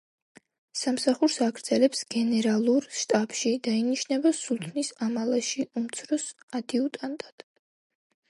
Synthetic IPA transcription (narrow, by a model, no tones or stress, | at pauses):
samsaχuɾsaɡɾd̪z̥ɛlɛpsɡ̥ɛnɛɾalˠuɾʃt̪ʼapʃid̪ainiʃnɛbasulˠt̪ʰnisamalˠaʃiumt̪sʰɾɔsad̪̥iut̪ʼant̪ʼad̪̥